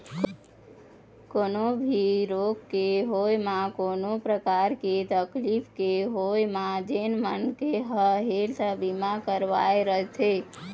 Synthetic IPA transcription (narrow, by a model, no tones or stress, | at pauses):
konobʱiɾoɡkːeɦojmakonopɾəkaɾket̪əklipʰkeɦojmad͡ʒenmənkeɦəɦelsəbimakəɾʋa̰eɾəɦet̪ʰe